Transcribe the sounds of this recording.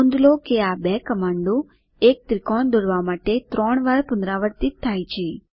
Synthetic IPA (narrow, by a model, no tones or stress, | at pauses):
und̪lokeabɛkəmaɳɖo | ek̚t̪ɾɪkɔɳd̪oɽʋamaʈet̪ɾɔɳ̃ʋaɾpʊnd̪ɾaʋəɾt̪it̪ʰːajt͡ʃʰe